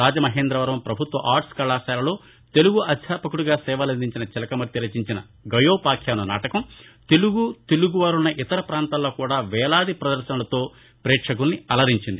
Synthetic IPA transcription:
aːd͡ʒɐmɐɦeːnd̪ɾɐʋɐɾʋɐmpɾɐbʱut̪ʋɐ̰ʔaːɾʈskɐlaːsaːlɐlo̞ː | t̪e̞luɡuʔɐd̪ʰjaːpɐkuɽuɡaːsɛːʋɐlɐnd̪iɲt͡ʃinɐt͡ʃɛlɐkɐmɐɾt̪jiɾɐt͡ʃiɲt͡ʃinɐ̰ | ɡɐjoːpaːkʰjaːnɐna̰ːʈɐkɐmt̪e̞luɡut̪eluɡuʋaːɾunːɐʔit̪ɐɾɐpɾaːnt̪aːlːo̞ːkuːɽaːʋɛːlaːd̪ipɾɐd̪ɐɾʃɐnɐlɐt̪o̞ː | pɾɛːʈʂɐkulniɐlɐɾiɲt͡ʃind̪i

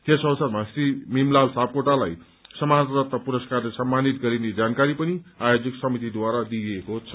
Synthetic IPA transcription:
k̪esʌwsʌrmasrimimlalsap̚koʈalaj | sʌmat̪rʌt̪ʌpuɾʌskarlesʌmːanit̪ɡʌɾined͡zankaɾipʌniajod͡ziksʌmit̪id̪waɾad̪iekot͡sʰʌ̥

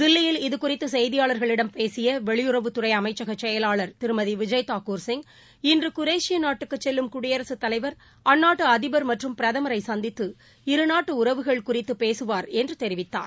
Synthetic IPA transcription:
d̪ɪlːɪjɪlɪðɯkʊrɪt̪ːɯsɛjðɪjaːɭɐɾɣɐɭɪɽɐmpeːsɪjɐʋɛɭɪjʊrɐʋɯt̪ːʊrɐɪɐmɐɪt͡ʃːɐɣɐt͡ʃːɛjɐlaːɭɐɾt̪ɪɾɯmɐðiʋɪd͡ʒɐjt̪aːkuːɾsɪŋ | ɪndrɯkʊɾeːʂɪjɐnaːʈːɯkːɯt͡ʃːɛlːɯmkʊɽɪjɐɾɐsɯt̪ːɐlɐɪʋɐɾ | ɐnːaːʈːɯɐðɪbɐɾmɐʈrɯmpɪɾɐðɐmɐɾɐɪsɐnd̪ɪt̪ːɯ | ɪɾɯnaːʈːɯʊɾɐʋɯɣɐɭkʊrɪt̪ːɯpeːsɯʋaːɾɛndrɯt̪ɛɾɪʋɪt̪ːa̰ːɾ

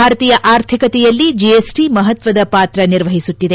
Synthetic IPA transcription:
aːɾɐt̪iːjɐʔaːɾt̪ʰikɐt̪ɛjɐlːid͡ʒiesʈimɐɦɐt̪ʋɐd̪ɐpaːt̪ɾɐniɾʋɐɦisut̪ːid̪e

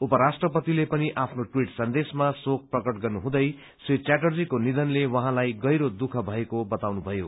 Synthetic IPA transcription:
upʌɾasʈrʌpʌt̪ilepʌniʔapʰnoʈwiʈsʌnd̪esmasok̚prʌkʌʈɡʌrnuɦũd̪ʌj | sit͡ɕaʈʌrd͡zikonid̪ʌnlewʌɦãlajɡʌjɾod̪ukʰʌbʱʌekobʌt̪awnubʱʌjo

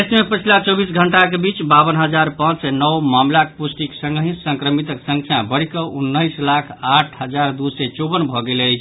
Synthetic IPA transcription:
esmepət͡ʃʰilat͡ʃɔbisɡʱəɳʈakebit͡ʃbaβənɦəd͡ʒaɾpãt͡ʃsɛnɔwmamlakpusʈiksə̃ŋɡəɦĩt̪səŋkɾəmit̪əksə̃ŋkʰjãbəɽikəʔunːəislakʰaʈʰɦəd͡ʒaɾd̪usɛt͡ʃobənbʱɔɡeləjt͡ʃʰ

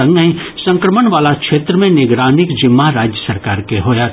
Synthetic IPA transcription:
ə̃ŋɡə̃ĩsɐ̃ŋkɾəməɳʋaːlakʃeːt̪ɾəmẽnɪɡɾaːnɪkd͡ʒɪmːaɾaːd͡ʒjəsəɾkaːɾkeɦoːja

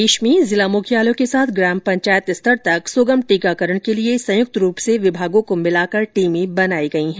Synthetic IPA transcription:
eːʃmẽzɪlamʊkʰjaːlõkesaːt̪ʰɡɾɛːmpɐ̃ɲt͡ʃaːjət̪ɪst̪ʰəɾt̪ɐksoːɡəmʈiːkakɐɾəɽ̃keliesɐ̃jʊk̚t̪ɾuːpseʋɪbʱaːɡõkomɪlaːkɐɾʈiːmẽbɐnaːiɡɐiɦɛ̃ː

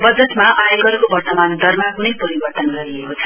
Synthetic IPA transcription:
bʌd͡zʌt̪maʔajoɡʌɾkobʌrt̪ʌmand̪ʱʌrmakunʌjpʌɾibʌrt̪ʌnɡʌɾiekot͡sʰʌ̥

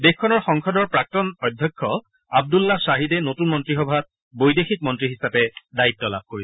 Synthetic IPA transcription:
dexkʰːɔnɔɹxɔŋkʰɔdɔɹpɹak̚tɔnɔjdʱjɔkʰːɔ | ab̚dulːasaɦidɛnotunmɔntɹixɔbʱat̚ | bojdexik̚mɔntɹiɦisapɛdaitːɔla̰b̚koɹisɛ

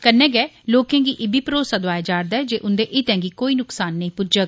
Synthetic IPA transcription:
kənːɛ̃ːɡɛːloːkɛ̃ːɡiːʔɪbʱiːpɾoːsaːd̪ʊaːjaːd͡ʒaːɾd̪aːɛd͡ʒeːʔʊnd̪eːʔɪt̪ɛ̃ːɡikoːiːnʊksaːnːəĩːpʊd͡ʒəɡ

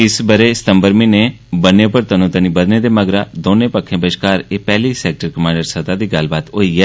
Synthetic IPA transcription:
ɪsbəɾeːsɪ̥t̪əmbəɾmĩːneː | bənepəɾt̪əːnũːt̪ənĩːbəd̪neːd̪eːməɡɾaːd̪oːnẽːpəkʰːẽːbəʃkaːɾeːpɛːliːsɛːk̚ʈəɾkəmãːɳɖəɾsət̪aːd̪iːɡəlbaːt̪oːiːɛː

